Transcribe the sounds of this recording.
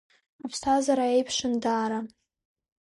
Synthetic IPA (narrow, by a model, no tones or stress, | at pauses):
apʰstʰazaɾaejpʰʂɨndaːɾa